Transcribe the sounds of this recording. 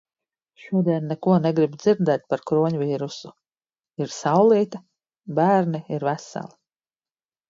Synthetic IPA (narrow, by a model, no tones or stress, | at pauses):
ʃuɔd̪iɛnːɛkuɔnɛɡɾibd̪z̥iɾd̪ɛːt̪̚paɾkɾuɔɲviːɾusu | iɾsawlˠiːt̪a | bæːɾniiɾvæsa̰lˠi